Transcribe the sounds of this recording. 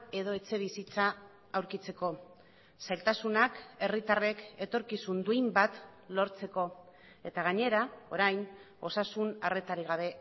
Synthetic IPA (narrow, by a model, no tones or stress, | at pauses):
e̞ðo̞e̞t͡se̞β̞isit͡saː | wɾkit͡se̞ko̞ | sajlt̪asunake̞rit̪are̞ke̞t̪o̞ɾkisund̪uimbat̪lo̞ɾt͡se̞ko̞ | e̞t̪aɣaɲe̞ɾao̞̰ɾajn | o̞sasunare̞t̪aɾiɣ̞aβ̞e̞